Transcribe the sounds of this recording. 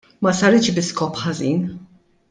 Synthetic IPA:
mɐsɐɾɪt͡ʃbɪskɔːpħɐziːn

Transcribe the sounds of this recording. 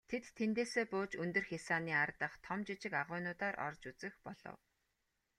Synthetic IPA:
t̪ʰet̪ʰːent̪eːseːpʊːt͡ɕɵnt̪ɵ̆rxʲasaːniːart̪ə̆χt̪ʰɔmt͡ɕɪt͡ɕɪ̆kaʁʊːnʊːt̪aːɾʔɔ̰rt͡ɕut͡sɘ̆xpɔɮ̥ɞ̰̆w

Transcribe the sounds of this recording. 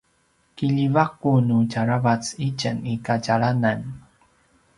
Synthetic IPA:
kiʎivakunucaɾavat͡sit͡ʃənikaɟaɭanan

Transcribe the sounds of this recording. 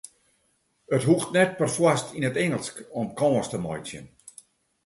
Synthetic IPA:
ətɦuxtnɛt̚pərfwastʰinətɛŋəlˠskɔmkʰɔːəstəmɔ̰jsjə̰n

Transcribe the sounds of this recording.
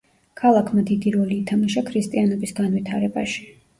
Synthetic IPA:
kʰalˠakʰmad̪id̪iɾɔliːt̪ʰamaʃakʰɾist̪ʼianɔbisɡanvit̪ʰaɾɛbaʃi̥

